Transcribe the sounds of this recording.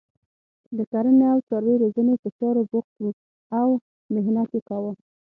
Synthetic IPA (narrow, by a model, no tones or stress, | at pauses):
d̪əkaɾəneawsɑɾweɾezənep̪ət͡ʃɑɾobʊq̚t̪wu | aw | mɪɦnat̪jekawə